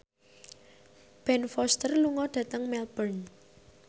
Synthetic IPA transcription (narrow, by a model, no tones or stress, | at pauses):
b̥ɛnfɔst̪ərluŋɔɖ̥ä̤t̪əŋmɛlbərn